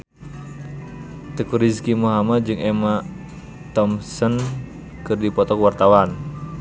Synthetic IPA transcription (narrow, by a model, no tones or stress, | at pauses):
t̪əkuɾiskimuɦamat̪̚d͡ʒɨŋʔɛma | t̪ɔmsən | kɨrdipɔt̪ɔkwart̪awan